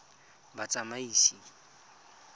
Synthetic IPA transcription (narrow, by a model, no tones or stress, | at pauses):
bat͡sʼamaiːsi